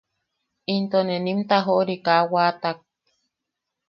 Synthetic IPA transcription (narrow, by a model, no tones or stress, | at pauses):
int̪onenimt̪aɦoʔɾikawaːt̪ak̚